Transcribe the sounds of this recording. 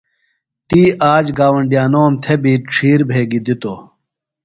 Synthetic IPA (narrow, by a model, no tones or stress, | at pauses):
t̪iːaːd͡ʑɡaːwɐɳɖijaːnoːmt̪ʰebiːʈ͡ʂʰiːɾbʱeːɡid̪it̪o